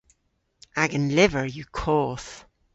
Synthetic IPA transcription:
ʔaɡə̃nlɪvəɹjəkʰɔːθ

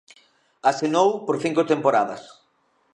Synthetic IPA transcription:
asenowpoɾθiŋkʊt̪empoɾaðɐs

